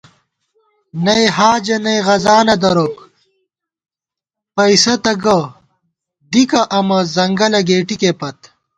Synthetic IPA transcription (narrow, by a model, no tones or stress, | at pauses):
nɐjɦaːd͡ʑɐnɐjɣɐzaːnɐd̪ɐɾoːk | pɐisɐt̪ɐɡɐ | d̪ikɐʔɐmɐzɐŋɡɐlɐɡeːʈikepɐt̪